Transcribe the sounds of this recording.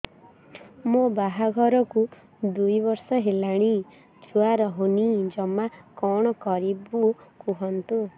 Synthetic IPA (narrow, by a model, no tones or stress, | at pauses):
mobaɦaɡʱɔɾɔku | d̪ujbɔɾsɔɦelaɽ̃i | d͡ʒuaɾɔɦunid͡ʒɔmakɔɽ̃ɔkɔɾibukuɦɔnt̪u